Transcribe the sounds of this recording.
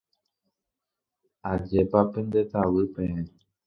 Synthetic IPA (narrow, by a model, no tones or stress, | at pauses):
ad͡ʒepapẽnd̪et̪awɨpeẽ